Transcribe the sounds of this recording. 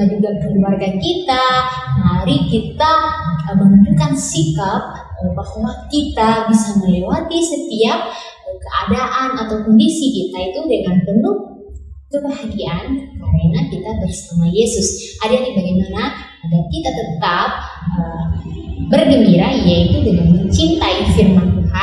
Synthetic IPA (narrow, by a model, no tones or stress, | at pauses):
ad͡ʒuɡakəluarɡakit̪aɦaɾikit̪aəmənund͡ʒukansikap̚ | əpasumankit̪abisaməlewat̪isət̪iap̚ | kəʔadaʔanat̪awkɔndisikit̪ait̪udəŋanpənʊh | kəbaɦaɡiankaɾənakit̪abərsamajesʊsʔadadibaɡajmana | aɡarkit̪at̪ət̪ap̚ʔə | bərɡəmbiɾajait̪udəŋanmənt͡ʃint̪aifirmanua